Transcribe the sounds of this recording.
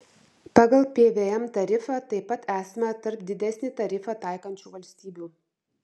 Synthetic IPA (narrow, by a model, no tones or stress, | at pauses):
pɑːɡɐlˠpʲeːʋʲeːɛmt̪ɐɾʲɪfɐt̪ɐɪpɐt̪æːsʲmʲɐt̪ɐɾpd̪ʲɪd̪ʲɛsʲnʲɪt̪ɐɾʲɪfɑt̪ɑˑɪkɐnʲt͡ʃʲuːʋɐlʲsʲt̪ʲiːbʲuː